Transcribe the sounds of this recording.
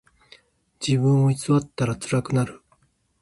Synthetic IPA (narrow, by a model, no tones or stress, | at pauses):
d͡ʑiβɯ̟̃ɰ̃oit͡sɨβat̪ːaɾat͡sɨɾakɯ̟naɾɯ̟